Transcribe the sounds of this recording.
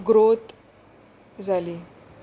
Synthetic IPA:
ɡɾot̪ | d͡zʱaliː

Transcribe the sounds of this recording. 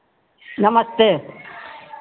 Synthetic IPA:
nɐmɐst̪eː

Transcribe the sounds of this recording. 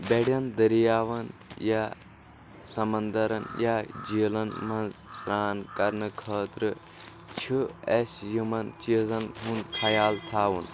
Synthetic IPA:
beɽjɐnd̪ɐɾijaːʋɐnja | sɐmɐnd̪ɐɾɐnjad͡ʒiːlɐnmɐ̃nsɾaːnkɐɾnɨkʰɐːt̪ɾɨ | t͡ʃʰiesjimɐnt͡ʃiːzɐnɦunkʰɐjaːlt̪ʰaːʋun

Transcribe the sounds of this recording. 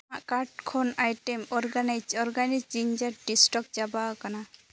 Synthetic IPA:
aʔkaɾʈkʰɔnajʈemɔɾɡanajd͡ʒɔɾɡanid͡ʒd͡ʒiɲd͡ʒaɖɖisʈɔk̚d͡ʒabakana

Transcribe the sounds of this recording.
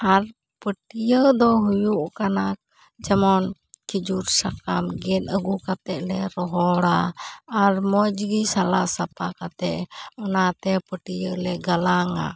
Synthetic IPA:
haɾ | pəʈijəd̪ɔɦujuʔkana | d͡ʒɛmɔn | kid͡ʒuɾsakamɡɛnəɡukat̪ɛʔ̚lɛɾɔɦɔɽaː | ɾmɔd͡ʒɡisalaʔsapakat̪ɛʔɔnat̪ɛpəʈijəlɛɡalaŋa̰

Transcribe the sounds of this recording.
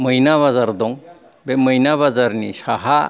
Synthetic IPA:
məjnaβazaɾd̪ɔŋ | beməjnaβazaɾnḭsaɦa

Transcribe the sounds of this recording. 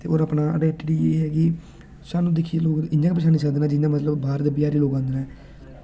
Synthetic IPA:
t̪ḛːoːɾaːpnaːəɖɛːʈɖiːeːɦɛːɡiː | saːnũːd̪ekʰːieloːɡ̪ɪɲd͡ʒãːkp̬əʃaːniːsəkd̪eːnaːd͡ʒɪnaːmət̪ləbbaːɾt̪ebɪjaːɾiːloːɡãːnd̪eːnãː

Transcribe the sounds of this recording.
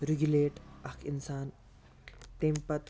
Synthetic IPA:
ɾiɡuleːʈɐkʰinsaːn | pẽmpɐt̪

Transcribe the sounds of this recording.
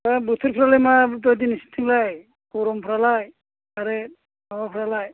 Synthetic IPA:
abutʰiɾpʰiɾalajmatɔjd̬inisi̥tʰiŋlaj | kɔɾɔmpʰɾalaj | aɾe | awapʰɾalaj

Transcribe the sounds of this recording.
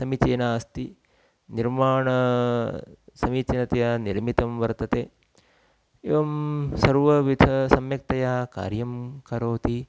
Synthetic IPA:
sɐmit͡ʃeːnaːst̪i | niɾmaːɳɐ | sɐmiːt͡ʃenɐt̪ejɐniɾmit̪ɐmʋɐɾt̪ɐt̪eː | eʋɐmsɐɾʋɐʋid̪ʱɐsɐmjɐk̚t̪ɐjaːka̰ːɾjɐmkɐɾoːt̪i

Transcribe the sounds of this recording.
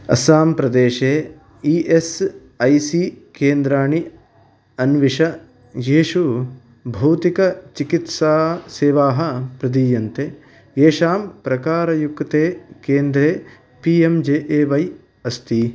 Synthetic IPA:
ɐ̰saːmpɾɐd̪eːʃeː | iːʔes | ɐjsikeːnd̪ɾaːɳi | ɐnʋiʂɐ | jeːʃu | bʱɐwt̪ikɐt͡ʃikit̪saːseːʋaːɦɐpɾɐd̪iːjɐnt̪e | eːʃaːmpɾɐkaːɾɐjukt̪eːkeːnd̪ɾeː | piːemd͡ʒeːʔeːʋɐj | ɐst̪i

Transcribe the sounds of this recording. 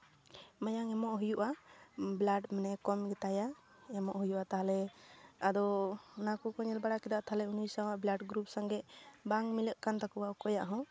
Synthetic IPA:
majaŋɛmɔʔɦujuʔablaɖmanɛkɔmɡɛt̪aja | ɛmɔʔɦujuʔat̪aɦalɛad̪ɔunakɔkɔɲɛlbaɽakɛd̪aʔt̪aɦalɛunujsawaʔblaɖɡɾup̚saŋɡɛbaŋmiləʔkant̪akuwawkɔjaʔɦɔ̃

